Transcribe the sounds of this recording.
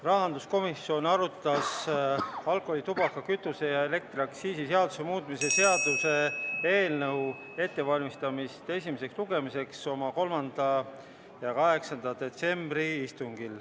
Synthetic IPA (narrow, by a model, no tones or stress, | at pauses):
rɑɦɑnd̪usko̞misːio̞nɑɾut̪ːˑɑs | ɑlkˑolit̪ub̥ɑkːɑkyt̪ːˑuse̞jɑe̞le̞k̚t̪ɾiɑksiːsiseɑd̪use̞muːt̪̚ˑmise̞se̞ɑd̪̥use̞e̞ːlnɤw | e̞t̪ːe̞vɑlʲmist̪ɑmist̪e̞sʲimise̞ksluɡe̞mise̞kso̞mɑko̞lmɑnd̪̥ɑ | jɑkɑɦe̞ksɑnd̪ɑd̪̥e̞t̪se̞mbɾiist̪uŋɡil